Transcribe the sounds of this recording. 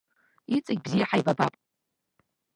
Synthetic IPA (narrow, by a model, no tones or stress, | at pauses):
it͡sʼaɡʲbzijaħajbabapʼ